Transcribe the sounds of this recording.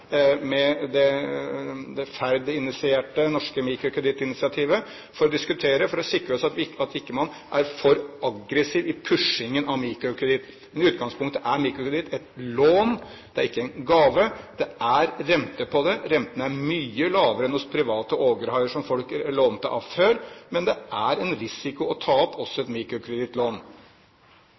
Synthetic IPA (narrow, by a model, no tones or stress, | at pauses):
mɛd̪ɛ | d̪ɛfæɾd̪ɪnɪsɪeːʈənɔʂkəmiːkɾʊkʰɾɛd̪ɪt̪ːɪnɪsɪɑt̪ʰiːʋə | fɔɾɔd̪ɪskʉt̪ʰeːɾəfɔɾɔsɪkɾəɔsɑt̪ʋɑt̪ɪkːəmɑnː | ʔæɾfɔɾʔɑɡɾɛsiːʋɪpʰʉʂɪŋənɑʋmiːkɾʊkʰɾɛd̪ɪt̪ː | mɛnɪʉːt̪̚ɡɑŋspʊŋkt̪əʔæɾmiːkɾʊkɾɛd̪ɪt̪ːɛt̪loːn | d̪̥ɛæɾɪkːəɛɪnɡɑːʋəd̪̥ɛæɾɾɛmt̪əpʰɔd̪ɛɾɛnt̪ənəæɾmyːəlɑːʋəɾəɛnɔspʰɾɪʋɑːt̪əʔoːɡəɾhɑʏəʂɔmfɔlkloːnt̪əʔɑ̰fhøːɾmɛnd̪ɛæɾɛnɾɪsɪkʊɔt̪ʰɑːɔpʰːɔsːɔɛt̪miːkɾʊkʰɾɛd̪ɪt̪loːn